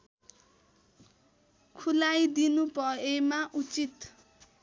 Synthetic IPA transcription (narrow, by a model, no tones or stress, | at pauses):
kʰulajd̪inupʌemaʔut͡sit̪